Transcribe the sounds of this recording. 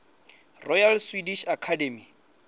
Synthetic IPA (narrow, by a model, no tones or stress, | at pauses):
rɔjalswidiʃakʰademi